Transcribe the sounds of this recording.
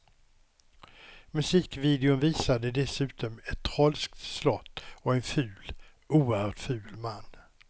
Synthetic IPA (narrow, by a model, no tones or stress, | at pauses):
mɵsiːkviːd̪ɛʊnviːsad̪əd̪ɛsʉ̟ːt̪ʰɔmɛt̪ʰːɾɔlsk̚t̪slɔt̪ːɔɛnfʉ̟ːl | uːəhœːʈfʉ̟ːlmanː